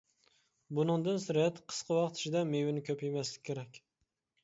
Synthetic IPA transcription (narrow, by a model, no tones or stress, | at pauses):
bʊnɨŋd̪ɨnsɪɾjɛt̪ʰqʰə̥sqʰɑwɑqt̪ʰɪ̥ʃɪd̪ɛmewɪnɪkʲʰøpjemɛslɪkʲʰːeɾɛkʲ